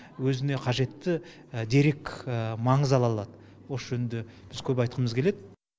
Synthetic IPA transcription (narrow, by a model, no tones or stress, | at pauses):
wɵzɪne̞qʰɑʒe̞t̪ːɪ | d̪e̞ɾe̞kmɑɴəzɑlˠɑlˠɑd̪ə | wosʒɵnd̪e | b̥ɪzkʲʰɵpɑjt̪̚qəməzkʲʰe̞led̪ɪ